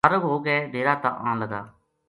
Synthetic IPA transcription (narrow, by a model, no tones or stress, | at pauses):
əɾəʋɦoːɡeːd̪eːɾaːt̪ã̰ːʔã̰ːləɡ̪a̰ː